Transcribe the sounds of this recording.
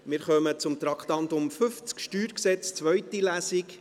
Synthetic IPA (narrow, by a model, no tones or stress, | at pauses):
mɪɾχœmət͡sʊmt̪ɾɑkχt̪ɑnt̪ʊmfʏft͡skʃtyːɾksɛt͡st͡sʋœɥtilæsɪk